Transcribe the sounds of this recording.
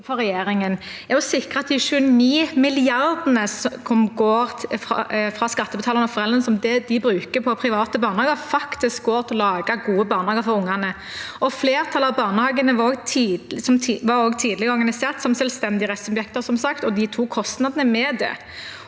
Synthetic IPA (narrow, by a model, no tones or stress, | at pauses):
fɔɾɛjeːɾɪŋən | æʁjʊsɪkʁəɑt̪d̪ɪʃʉəniːmɪlɪɑɾd̪ənəskʰɔmɡoːɾfɾɑ̰fʁɑskɑt̪ːəbət̪ʰɑːləʁnɔfɔʁɛlʁənəsɔmd̪ɛd̪ɪbɾʉːkəpʰɔpʰɾɪʋɑːt̪əbɑːʁnəhɑːɡəɾfɑkt̪ɪsk̚ɡoːɾt̪ʰɪlɑːɡɑɡuːəbɑːʁnhɑːɡəɾfɔɾʊŋːɑnə | ɔfleːʁt̪ʰɑləɑʋbɑːʁnəhɑːɡənəʋɑoːɡt̪ʰiːsɔmʋɑɾoːɡt̪ʰiːd̪lɪɡɔɾɡɑnɪseːʁt̪sɔmsɛlst̪ɛnd̪ɪəʁɛt̪sɔbjɛkt̪əɾsɔmsɑkt̪ɔd̪ɪt̪ʰuːkʰɔst̪nɑd̪ənəmɛd̪ɛ̰